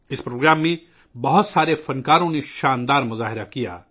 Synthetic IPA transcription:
ɪspɾoːɡɾaːmːẽ | bɐɦʊt̪saːɾefɐnkaːɾõneʃaːnd̪aːɾmʊzaːɦɪɾakija̰ː

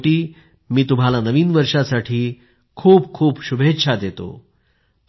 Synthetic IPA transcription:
ʈiː | miːt̪um̤alanəʋiːnʋəɾʂasaʈʰiː | kʰuːpkʰuːpɕubʱetːɕʰad̪et̪o̰

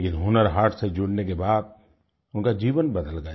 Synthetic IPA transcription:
kɪnɦʊnəɾɦaːʈʰsed͡ʒʊɽnekebaːd̪̚ | ʊnkad͡ʒiːʋənbəd̪əlɡə

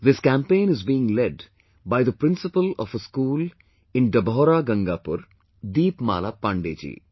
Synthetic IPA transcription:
d̪ɪskæ̃ːmpẽːnɪzbiːɪ̃ŋlɛɖ | baɪd̪əpɾɪ̃nsɪpəlɔːfəskuːl | ɪ̃nɖɐbɔːɾaːɡɐ̃ŋɡaːpʊɾ | d̪iːpma̰ːlaːpãːɳɖḛːd͡ʒḭː

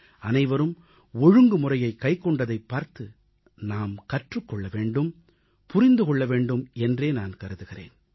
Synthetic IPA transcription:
ɐnɐɪʋɐɾɯm | ɔɻɯŋɡɯmʊrɐjɐɪkːɐɪkːɔɳɖɐðɐɪpːaːɾt̪ɯ | naːmkɐʈrɯkːɔɭːɐʋeːɳɖɯm | pʊrɪnd̪ɯkɔɭːɐʋeːɳɖɯmɛndreːnaːnkɐɾɯðɯɣɪrḛːn

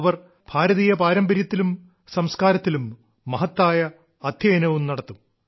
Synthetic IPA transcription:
ʋɐr | b̥ʱaːɾɐðijɐpaːɾɐmbɐɾjɐt̪ːilum | sɐmskaːɾɐt̪ːilumː | ɐɦɐt̪ːaːjɐː | d̪ʱjɐjɐnɐʋumnɐɽɐt̪ːum

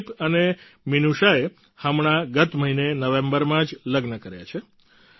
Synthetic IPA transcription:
pəneminuʃae | həmɳaɡət̪məɦinenəʋẽmbəɾmãd͡ʒləɡnəkəɾja̰t͡ʃʰe

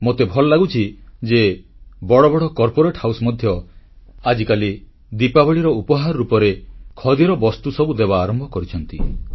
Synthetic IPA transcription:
mot̪ebʱɔlɔlaɡut͡ʃʰid͡ʒebɔɽɔbɔɽɔkɔɾpoɾeʈhawsɔmɔd̪ʱjɔ | ad͡ʒikali | d̪ipabɔɭiɾɔupɔɦaɾɔɾupɔɾekʰɔd̪iɾɔbɔst̪usɔbud̪eβaːɾɔmbʱɔkɔɾit͡ʃʰɔnt̪i

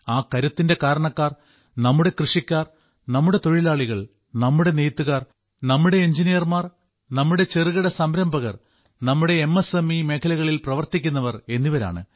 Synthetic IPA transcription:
aːkɐɾɐt̪ːinde̞kaːɾɐɳɐkːaːr | nɐmːuɽe̞krɨʂikʲːaːr | nɐmːuɽe̞t̪o̞ɻilaːɭiɣɐɭ | nɐmːuɽe̞nejt̪ːuɣaːr | nɐmːuɽe̞ːɲd͡ʑinijɐrmaːr | nɐmːuɽe̞t͡ɕeriɣɐɽɐsɐmɾɐmbʱɐɣɐr | nɐmːuɽe̞ːmːesemimeːkʰɐlɐɣɐɭilprɐʋɐrt̪ikʲːunːɐʋɐre̞nːiʋɐɾa̰ːɳɨ̰

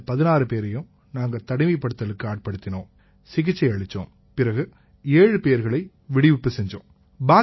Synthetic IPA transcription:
pɐðɪnaːɾɯpeːɾɐjɯ̃m | naːŋɡɐt̪ɐɽɪmɐɪpːɐɽɯt̪ːɐlɯkːɯaːʈ̚pɐɽɯt̪ːɪnõː | sɪɣɪt͡ʃːɐɪɐɻɪt͡ʃːõ̰ː | pɪɾɐɣɯ | eːɻɯpeːjɐɾɣɐɭɐɪ | ʋɪɽɪʋɪpːɯsɛɲd͡ʒõ̰ː | baː

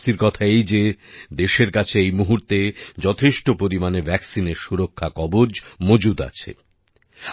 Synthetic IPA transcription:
t̪iɾkɔt̪ʰaejd͡ʑed̪eʃeɾkat͡ɕʰeejmuɦuɾt̪ed͡ʑɔt̪ʰeʃʈopoɾimanevʱɛksineɾʃuɾokʰːakɔbod͡ʑmod͡ʑud̪a̰t͡ɕʰḛ

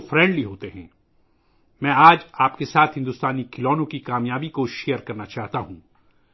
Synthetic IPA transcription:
fɾɛ̃ːɳɖliɦoːt̪eɦɛ̰̃ː | mɛ̃ːaːd͡ʒaːpkesaːt̪ʰɦɪ̃nd̪ʊst̪aːnikɪlɔːnõkikaːmjaːbikoʃejəɾkɐɾnat͡ʃaːɦt̪aɦũː

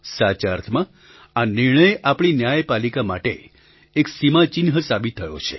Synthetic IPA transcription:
sat͡ʃaɾt̪ʰmã | aniɾɳəjapɳ̃injajpalikamaʈḛ | eksimat͡ʃinɦəsabit̪ʰːəjo̰t͡ʃʰḛ

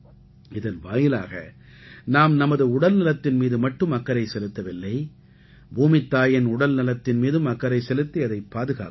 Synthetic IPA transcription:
ɪðɐnʋa̰ːjɪla̰ːɣɐ̰ | naːmnɐmɐðɯʊɽɐlnɪlɐt̪ːɪnmiːðɯmɐʈːɯmɐkːɐɾɐɪsɛlɯt̪ːɐʋɪlːɐɪ | bʱuːmɪt̪ːaːjɐnʊɽɐlnɪlɐt̪ːɪnmiːðɯmɐkːɐɾɐɪsɛlɯt̪ːiɐðɐɪpːaːðɯɣa̰ːk

